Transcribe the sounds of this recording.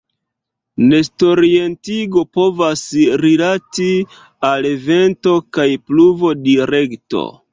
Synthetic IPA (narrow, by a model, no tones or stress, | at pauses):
ne̞sto̞ɾie̞ntiɡo̞po̞vasɾilati | aleve̞nto̞kajpluvo̞diɾe̞kto̰